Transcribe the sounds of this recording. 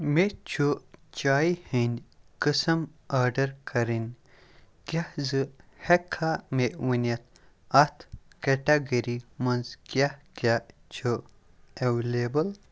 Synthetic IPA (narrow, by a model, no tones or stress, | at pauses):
met͡ʃʰut͡ʃaːihinʲkɨsɐmaːɖɐɾkʰɐɾinʲ | kʲjahzɨhekʰameʔwɐnʲjɐt̪̚ʰ | ɐt̪ʰkeʈɐɡɐɾimɐnzkʲjahkʲjat͡ʃʰo | ewlebɐl